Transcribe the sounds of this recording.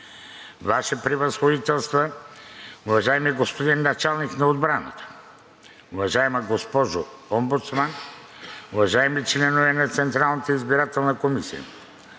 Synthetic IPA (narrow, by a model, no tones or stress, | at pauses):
vaʃɛpɾivɐsxod̪it̪ɛlˠst̪va | uvaʒɛmɛɡospod̪inːat͡ʃalˠniknaod̪bɾanə̰t̪ə̥ | uvaʒaɛmaɡospɔʒoɔmbut̪sman | uvaʒaɛmit͡ʃlɛnovɛnat̪sɛnt̪ɾalˠnɐt̪əizbiɾat̪ɛlˠnɐkomisḭjə̰